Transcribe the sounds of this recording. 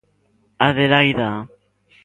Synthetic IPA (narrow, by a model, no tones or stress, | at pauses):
aðeɾajða